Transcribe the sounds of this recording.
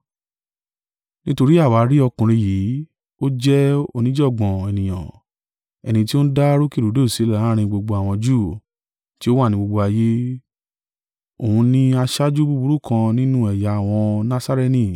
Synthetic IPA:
nĩ˦to˧ɾi˦a˦˨wa˨˦ɾi˦ɔ˧kũ˨ɾ̃ĩ˧jiː˨˦ | o˦d͡ʒɛ˦o˧nĩ˦d͡ʒɔ˦˨ɡ͡bɔ̃˨ɛ˨nĩ˨j̃ã̰˨ | ɛ˧nĩ˧t̬i˦o˦ñ̩˦da˦ɾo˦ki˦˨ɾu˨˦do˦˨si˨˦˨a˨˦ɾ̃ĩ˧ɡ͡bo˧ɡ͡bo˧a˨w̃ɔ̃˧d͡ʒuː˦˨ | ti˦o˦wa˦˨nĩ˧ɡ͡bo˧ɡ͡bo˧a˧je˦ | o˨hũ˧nĩ˧a˧ʃa˦d͡ʒu˦bu˦bu˧˦ɾu˦kʰã˧nĩ˦nũ˦ɛ˨ja˨a˨w̃ɔ̃˧nã˦sa˦ɾe˧nĩ˦˨

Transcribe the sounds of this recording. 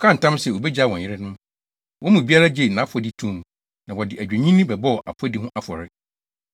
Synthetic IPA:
kʰã˦n̩˨tã˦msɛ˨o˨bɛ˦d͡ʑa˦˨wɔ̃˨ɲ˨ɪ˦ɾɪ˦nʊ̃˦ | wʔɔ̃˦mũ˨bi˦a˦la˦d͡ʑe˨nã˨˦pʰɔ˨˦dɪ˦tʰũ˦m˨ | nã˨wɔ˨dɪ˨æ˨d͡ʑᶣæ˨ɲĩ˦nĩ˦bɛ˨bɔ˦˨ʔa̰˨pʰʊ˦ɔ˦dɪ˦ɦʊ̃˦ʔa˦fʊ˨ɔ˨ɾɪ˦

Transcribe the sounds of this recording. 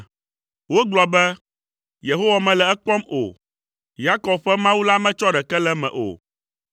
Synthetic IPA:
wo˦ɡ͡blɔ˨bɛ˦ | je˨ɦo˦wa˨mɛ̃˨lɛ˨ɛ˦k͡pɔ˦mo̰˨ | ja˦kɔ˨b̚ɸɛ˦mã˦wu˦la˦mɛ̃˦t͡ʃɔ˦ɖɛ˨kɛ˦lɛ˦mɛ̰̃˨ʔo̰˨

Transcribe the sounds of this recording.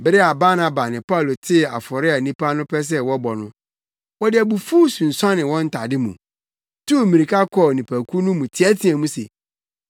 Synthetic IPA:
bɪ˦ɾɪ˦a˨ba˦nã˨ba˨nɪ̃˨pa˦u˨lo˨tʰɪ˦a˨fɔ˨ɾɪ˦a˨nĩ˦pa˦nʊ̃˦pʰɛ˦s̬ɛ˦wɔ˦bɔ˨nʊ̃˦ | wɔ˦dɪ˦æ˨bu˨fuː˦sũ˨n̩˨sã˦nɪ̃˨wɔ̃˦n̩˦tʰa˨dɪ˦mṵ̃˨ | tʰu˦˨mĩ˨ɾi˨kʰa˦kʰɔ˨nĩ˨pʰæ˨kʰu˦nũ˦mũ˨tʰɪ˨ɛ˦tʰĩ˨æ̃˨mũ˦sḛ˨

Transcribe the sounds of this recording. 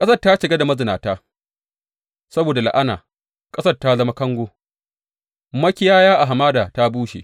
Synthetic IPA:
kʼɐ˦sɐ˦rta˦ʃɪ˨ɡa˦da˨mɐ˦zɪ˨naː˨taː˦ | sɐ˦boː˨da˨la̰˨ʔa˦na̰ː˨ | kʼɐ˦sɐ˦rta˦zɐ˦ma˦kɐ˦ŋɡʷoː˦ | mɐ˦kʲɪ˦jaː˦jaː˦ʔa˨ɦa˨maː˦daː˨ta˦buː˦ʃḛ˨

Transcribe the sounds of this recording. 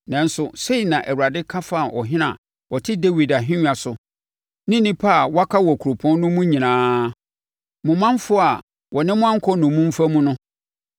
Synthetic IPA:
nã˨n̩˦sʊ˨se˦i˨nã˨ʔæ˨wu˨ɾa˨dɪ˦kʰa˦fa˦˨ʔɔ˨ɦɪ̃˦nã̰˨ | ʔɔ˨tʰɪ˦de˦wi˨da˨ɦɪ̃˦ɲ˦a˨sʊ˨ | nɪ̃˦nĩ˦pʰa˦˨wa˦kʰa˦wɔ˨kʰu˨ɾo˨pʰɔ̃˦n˦nʊ̃˦mũ˦ɲĩ˨nãː˨˦ | mʊ̃˨mã˦n˦fʊ˦a˨ | wɔ˨nɪ̃˦mʊ̃˦ã˦ŋ̩˦kʰɔ˦nʊ̃˨mũ˦m̩˦fa˦mũ˦nʊ̃˦

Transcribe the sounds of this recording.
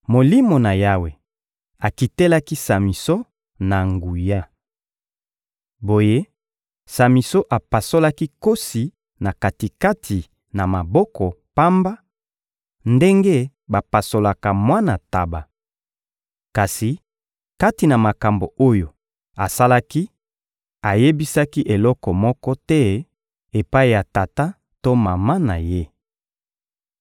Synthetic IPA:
mo˨li˦mo˨na˨ja˦we˨ | a˨ki˨te˦la˦ki˦sa˨mi˨so˦ | na˨ŋɡu˨ja˦ | bo˨je˦ | sa˨mi˨so˦ʔa˨pa˨so˦la˦ki˦ko˦si˨ | na˨ka˨ti˨ka˦tʰi˨ | na˨ma˨bɔ˦kɔ˨pa˦mba˦ | nde˦ŋɡe˦ | ba˨pa˨so˨la˨ka˨mwa˦na˨ta˨ba˨ | ka˨si˨ | ka˦ti˨na˨ma˨ka˨mbo˨o˦jo˨ | a˨sa˦la˦ki˦ | a˨je˦bi˦sa˦ki˦ʔe˨lɔ˦kɔ˨mɔ˦kɔ˦tɛ˦ | e˨pa˦i˨ja˨ta˨ta˦ | to˦ma˨ma˦na˨je˦

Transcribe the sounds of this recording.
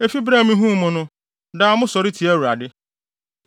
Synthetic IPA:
e˦fi˦bɾa˦˨mĩ˦ɦũ˦mʊ̃˨nʊ̃˦ | da˦˨˦mʊ̃˦sɔ˨ɾi˦tʰi˨ɛ˦wɾa˨dɪ˦

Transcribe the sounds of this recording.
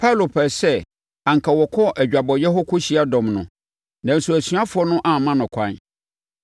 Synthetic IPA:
pʰa˦˨lo˨pʰɛ˨sɛ˦˨ | ã˨ŋ˨kʰa˨wɔ˨kʰɔ˦ʔæ˨d͡ʑᶣa˨bɔ˨jɛ˦ɦɔ˦kʰʊ˦ɕi˨˦a˦dɔ̃˨mnʊ̃˨ | nã˨n̩˨su˨æ˨sɥa˦fʊ˨ɔ˦nʊ̃˦ʔã˦˨mã˦nʊ̃˨kʷʰã̰˦n

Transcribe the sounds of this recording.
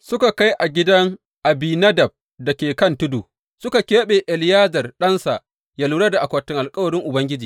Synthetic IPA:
sʊ˦ka˨ka˦jʔa˨ɡʲɪ˦dɐ˦ŋ | ʔa˨biː˨nɐ˦dɐ˨b̚ | dɐ˨kʲeː˨kɐ˦ntʊ˦dṵ˨ | sʊ˦ka˨kʲeː˦ɓe˨ʔɛ˨ljaː˦zɐ˨rɗɐ˦nsa˨ | ja˦luː˦ɽa˦da˨ʔa˨kʷɐ˨tːɪ˦ŋʔa˨lkʼɐ˦wɐ˨ɾɪ˦ŋʔʊ˨bɐ˦ŋɡʲɪ˦d͡ʒiː˨

